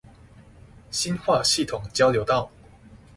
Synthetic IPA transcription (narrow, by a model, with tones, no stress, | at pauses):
ɕi˦nxwa˥˨ɕi˥˨˩t̪ʰʊ˨˩ŋt͡ɕjɑ˥˦ʊljo˧˦ʊt̪ɑ˥˨ʊ